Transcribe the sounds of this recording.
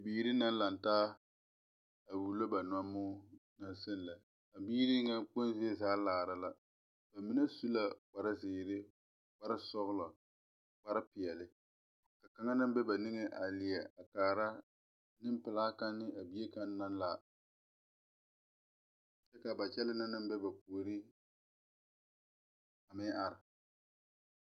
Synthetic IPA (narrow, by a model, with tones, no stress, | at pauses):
a˨biː˦ɾi˦na˦n˦la˨n˨taː˦ | a˨buː˨lo˦ba˨n˨a˦mːʊː˦na˦sɪ˦n˨la˨ | a˨biː˦ɾi˦ŋa˦k͡po˦n˦zi˦e˦zaː˦laː˨ɾa˦la˦ | b̥a˨mɪ˨˦nɛ˦su˦la˦k͡pa˨ɾɪ˦zɪː˨ɾɪ˦ | k͡pa˦ɾɪ˦sɔ˦ɣʊ˦lɔ˨ | k͡pa˦ɾɪ˦pɪ˨ɛ˨lɪ˦ | ka˨ka˨ŋa˦nɨ˦m˦bɛ˦ba˨nɪ˦ŋɛ˦ʔa˨li˨ɛ˨a˨kaː˨ɾa˦ | nɪ˦m˦pɪ˨laː˦ka˦nːɪ˦a˨bi˦e˦ka˦nː˦a˦nla˦ | t͡ʃɛ˦ka˨ba˨t͡ʃɛ˦lɪ˦na˦nɨ˦m˦bɛ˦ba˨pu˨o˨ɾi˦ | a˨mɪ˦ʔa˨ɾɪ˨